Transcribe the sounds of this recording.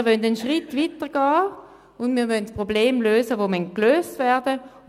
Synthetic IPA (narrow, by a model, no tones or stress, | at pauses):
ɐʋœndənʃʁitvitəɡ̥ɑː | ʊndmiːɐvœntspʁobleːmløːsəʋomɛn̚kløːstvɛɐdə